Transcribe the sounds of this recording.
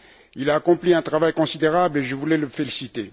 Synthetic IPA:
ilaːkɔ̃pliɛ̃t̪χavajkɔ̃sid̪eʁableʒəvulɛləfelisit̪e

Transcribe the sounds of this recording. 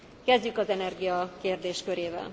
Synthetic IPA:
kɛzɟykɒzɛnɛrɡijɒkeːrd̪eːʃkøɾeːvɛ̰l

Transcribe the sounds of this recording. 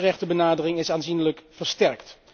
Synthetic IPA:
rɛχtəbənaːdərɪŋɪsaːnzinələkv̥əɹstɛɹkt

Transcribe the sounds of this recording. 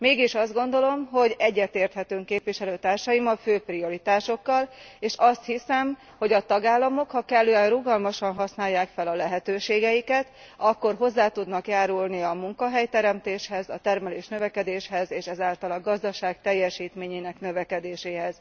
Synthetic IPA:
meːɡiʃɒzd̪ɡo̞nd̪o̞lo̞mɦo̞ɟɛɟːɛt̪eːrt̪hɛt̪øːŋkeːpʋiʃɛløːt̪aːrʃɒjimɒføːprio̞ɾit̪aːʃo̞kːɒleːʃɒst̪hisɛm | ho̞ɟɒt̪ɒɡaːlːɒmo̞khɒkɛlːøːɛnruɡɒlmɒʃɒnɦɒsnaːjːaːkfɛlɒlɛɦɛt̪øːʃeːɡɛjikɛt̪ | ɒkːo̞rɦo̞zːaːt̪ud̪nɒkjaːɾulniɒmuŋkɒɦɛjt̪ɛɾɛmt̪eːʃhɛzɒt̪ɛrmɛleːʃnøvɛkɛd̪eːʃhɛzeːʃɛzaːlt̪ɒlɒɡɒzd̪ɒʃaːkt̪ɛjːɛʃiːt̪meːɲeːnɛknø̞vɛkɛd̪eːʃeːɦɛz̥

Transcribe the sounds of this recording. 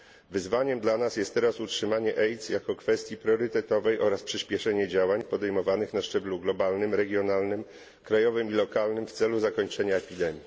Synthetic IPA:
vɘzvaɲɛmd̪lanasjɛst̪ːɛɾasutʂɘmaɲɛʔɛjt̪sjakɔkfɛst̪jipɾʲɔɾɘt̪ɛt̪ɔvɛjʔɔɾaspʂɘɕpʲjɛʂɛɲɛd͡ʑawaɲpɔd̪ɛjmɔvanɘxnaʂt͡ʂɛbluɡlɔbalnɘmɾɛɡʲjɔnalnɘm | kɾajɔvɘmilɔkalnɘmft̪sɛluzakɔɲt͡ʂɛɲaɛpʲid̪ɛmʲji

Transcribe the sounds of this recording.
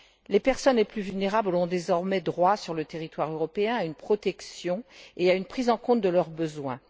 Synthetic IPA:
lepɛʁsɔnleplyvylneʁablɔ̃d̪ezɔʁmɛd̪ʁwasyʁlət̪eʁit̪waʁøʁɔpeɛ̃aynpχɔt̪ɛksjɔ̃eaynpχizɑ̃kɔ̃t̪̚d̪əlœʁbəzwɛ̃

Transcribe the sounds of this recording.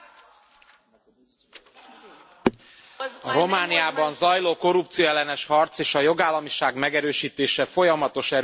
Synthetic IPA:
ɒɾo̞maːnijaːbɒnzɒjloːko̞ɾupt̪sijoɛlːɛnɛʃhɒrt̪seːʃɒjo̞ɡaːlːɒmiʃaːɡmɛɡɛɾøːʃiːt̪eːʃɛfo̞jɒmɒt̪o̞ʃɛɾ

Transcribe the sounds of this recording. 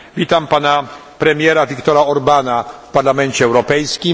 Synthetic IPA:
vʲit̪ampanapɾɛmʲjɛɾavʲikt̪ɔɾaɔɾbanafpaɾlamɛnt͡ɕɛːwɾɔpɛjskʲi

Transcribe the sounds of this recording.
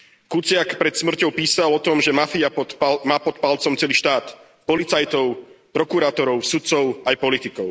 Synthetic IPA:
kut͡sɪakpɾɛt̪smr̩cɔʊpiːsalɔt̪ɔmʒɛmafiaɔmaːpɔt̪palt͡sɔmt͡sɛliːʃt̪aːt̪ | pɔlit͡sajt̪ɔʊpɾɔkuɾaːt̪ɔɾɔʊsut̪t͡sɔʊajpɔlit̪ikɔʊ

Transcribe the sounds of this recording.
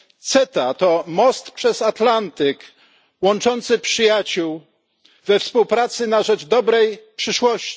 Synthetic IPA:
t̪sɛt̪at̪ɔmɔst̪pʂɛzat̪lant̪ɘk | wɔnt͡ʂɔnt̪sɘpʂɘjat͡ɕuw | vɛfspuwpɾat̪sɘnaʐɛʐd̪ɔbɾɛjpʂɘʂwɔɕt͡ɕ

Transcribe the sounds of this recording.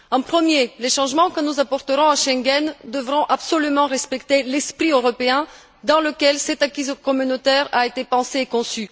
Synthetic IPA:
ɑ̃pχəmjeleʃɑ̃ʒmɑ̃kənuzapɔʁt̪əʁɔ̃aʃɛ̃ŋɡɛnd̪əvʁɔ̃ʔapsɔlymɑ̃ʁɛspɛkt̪elɛspχiøʁɔpeɛ̃ | d̪ɑ̃ləkʲɛlsɛt̪akʲizkɔmynot̪ɛʁaet̪epɑ̃seːkɔ̃sy

